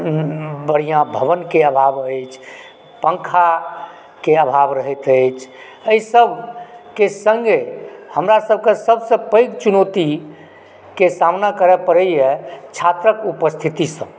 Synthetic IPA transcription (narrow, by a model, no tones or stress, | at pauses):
bəɽ̤ijãbʱəbənkeəbʱabəjt͡ʃʰ | pə̃ŋkʰa | keəbʱabɾəɦɛt̪əjt͡ʃʰ | əisəbʱkesəŋɡehəmɾasəbʱkesəbsə̃pə̃jɡt͡ʃunot̪i | kesamnakəɾɛpəɾəjjɛt͡ʃʰat̪ɾəkupəst̪ʰit̪isə̃